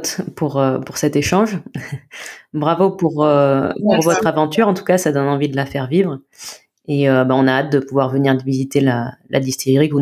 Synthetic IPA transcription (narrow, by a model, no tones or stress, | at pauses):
t̪puʁøpuʁsɛt̪eʃɑ̃ʒ | bʁavopuʁøpuʁvɔt̪χavɑ̃t̪yʁɑ̃t̪u̥kasad̪ɔnɑ̃vid̪əlafɛʁvivʁ | eøbaɔ̃naːt̪̚d̪əpuvwaʁvəniʁd̪əvizit̪elalʔa̰d̪ist̪ʰeʁiku